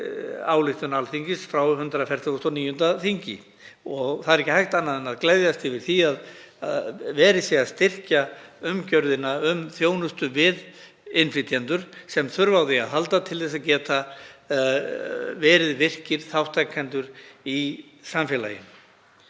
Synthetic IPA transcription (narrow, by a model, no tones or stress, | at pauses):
aːwlɪxt̪ʏnalθiɲcɪsfɾawɦʏnt̪ɾafɛɾ̥t̪ʰʏɣst̪ɔniːjʏnt̪aθiɲcɪ̰ | ɔɣθaðɛɾɛcɪhajht̪anːaðɛnaðklejðjast̪ɪvɪɾ̥θiaða̰ðvɛːɾɪsjɛaðst̪ɪr̥caʏmcœɾðɪnaʏmθjoːwnʏst̪ʏvɪð | ɪnfɾɪt̪ʰjant̪ʏɾ̥sɛmθʏɾvawðɪa̰ðɦalt̪at̪ʰɪlθɛs̬aðcɛːt̪a | vɛːɾɪðvɪr̥cɪɾ̥θawht̪ʰajkʰːɛnt̪ʏɾi | samfjɛla̰jɪ̰m